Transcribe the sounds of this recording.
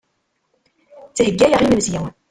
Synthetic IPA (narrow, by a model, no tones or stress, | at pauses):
t͡sːhəɡːæjəʁiməmzjæ